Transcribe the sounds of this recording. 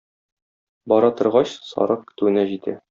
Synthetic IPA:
bɒɾɑt̪ɤ̆ɾʁɑɕsɒ̰ɾɤq̚kɘ̥̆t̪ʉwɘ̆næʑit̪æ̰

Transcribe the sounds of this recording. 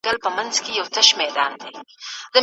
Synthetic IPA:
ɡɐlpəmɐnzkejɐwt̪ɐʃmɛːd̪ɑːnd̪eːd̪̥ə

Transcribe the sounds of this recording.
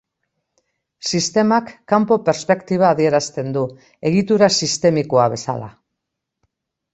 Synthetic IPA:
sist̪e̞makːampo̞pe̞ɾspe̞kt̪iβ̞aːðie̞ɾast̪e̞nd̪u | e̞ɣit̪uɾasist̪e̞miko̞aβe̞sa̰la

